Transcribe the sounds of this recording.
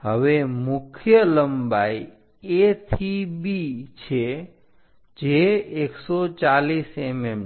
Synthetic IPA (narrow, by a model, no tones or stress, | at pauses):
ɦəʋemʊkʰjələmbai | et̪ʰibit͡ʃʰe | d͡ʒeːksɔt͡ʃalisemem